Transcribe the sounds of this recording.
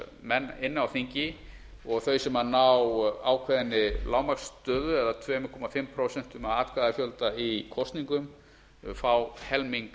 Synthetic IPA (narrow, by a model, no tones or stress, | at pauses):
mɛnːɪnːawθiɲcɪ | ɔɣθœɥjsɛmanawaːwkʰvɛðɪnːɪlaːwmakst̪œːðʏɛðat̪ʰvɛːmkʰɔmafɪmpʰɾowsɛn̥t̪ʏmavaːt̪kaðafjœlt̪aikʰɔst̪niŋkʏm | faːwhɛlmiŋk